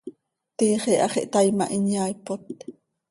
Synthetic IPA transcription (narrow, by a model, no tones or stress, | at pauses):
t̪iːχeʔɑχeʔt̪ajma̰ʔinjajpot̪̚